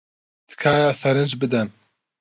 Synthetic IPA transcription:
d̪̥ɨ̥kʰaːjaːsɐɾɨnd͡ʒbɨd̪ɛn

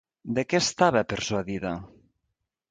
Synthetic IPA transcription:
d̪ekest̪aβapeɾswaðiða

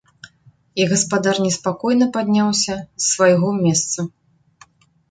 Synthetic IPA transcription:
iɣɐspad̪arnʲɛspakɔjnɐpad̪ʲnʲawsʲɐsːvajɣɔmʲɛst̪sɐ

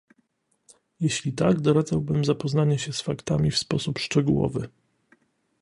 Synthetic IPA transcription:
jeɕlʲit̪aɡd̪ɔɾad̪zawbɘmzapɔznaɲɛɕɛsfakt̪amʲifspɔsupʂt͡ʂɛɡuwɔ̰vɘ̰

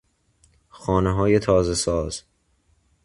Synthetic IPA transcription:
xɒːneɦɒːje̞t̪ʰɒːzesɒːz̥

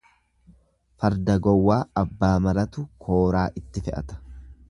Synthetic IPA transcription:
fɐɾd̪ɐɡɔwːaːɐbːaːmɐɾɐt̪ʊkʰo̞ːɾaːʔɪt̪ːɪfɛʔɐ̰t̪ɐ̥

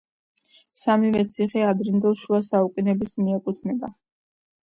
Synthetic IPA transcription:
samivɛt̪sʰiχɛad̪ɾɛnd̪ɛlˠʃuasaukʼinɛbismiɛkʼut̪ʰnɛba

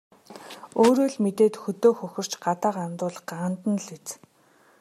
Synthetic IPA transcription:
oːɾoːɮmet̪eːt̪xɵt̪oːxɵxʲɪ̆r̥t͡ɕɢat̪aːqamt̪ʊːɮə̆χɢaːnt̪ə̆nɮet͡s

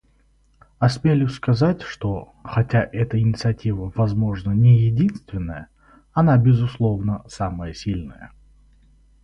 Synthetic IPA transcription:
ɐsmʲelʲʊskɐzatʲʂt̪o̞ | xɐtʲaʔɛt̪əɪnʲɪt̪sɨɐtʲivəvɐzmo̞ʐnənʲɪjɪdʲinst̪vʲɪnːəjə | ɐnabʲɪzʊslˠo̞vnəsaməjəsʲilʲnəjə̰

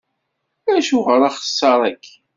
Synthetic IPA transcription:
æʃuʁəɾˤɑχə̥sˤːɑɾˤækː

